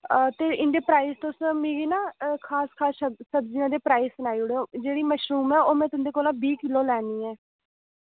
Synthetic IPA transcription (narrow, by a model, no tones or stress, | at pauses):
t̪eːʔɪnd̪eːpɾaːiːzt̪osmĩːɡiːnaːkʰaːskʰaːʃəsəbziːãːd̪eːpɾaːiːssənaːiːʊɽed͡ʒeːɽiːməʃɾuːmɛːoːmɛ̃ːt̪ʊnd̪eːkoːlãːbiːkɪloːlɛːniːɛː